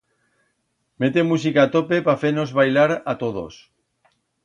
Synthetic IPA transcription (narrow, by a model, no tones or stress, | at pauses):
met̪emus̬ikat̪opepafenozβajlaɾat̪oð̞o̰s